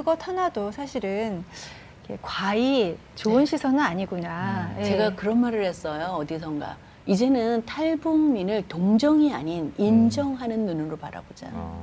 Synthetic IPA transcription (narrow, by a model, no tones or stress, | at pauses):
kɯɡʌtʰanadosʰaɕʰiɾɯn | ikḛkwai | t͡ɕoɯnɕʰisʰʌnɯnaɲiɡunajt͡ɕe̞ɡakɯɾʌnmaɾɯɭhe̞s͈ʌjoʌdisʰʌŋɡa̰ | id͡ʑe̞nɯntʰaɭbuŋminɯɭtoŋd͡ʑʌŋiaɲinind͡ʑʌŋɦanɯnːunɯɾopa̰ɾa̰bod͡ʑa̰